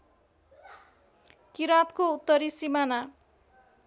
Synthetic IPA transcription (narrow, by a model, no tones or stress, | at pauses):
kiɾat̪kout̪ːʌɾisimana